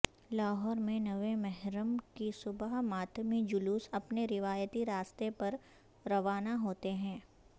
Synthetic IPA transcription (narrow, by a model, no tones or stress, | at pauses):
laːɦɔːɾmẽnɐʋẽmɛɦɾəmkisʊbəɦmaːt̪ʰmid͡ʒʊluːsɐpneɾɪʋaːjət̪iɾaːst̪epɐɾ | ɾɐʋaːnaɦoːt̪eɦɛ̃ː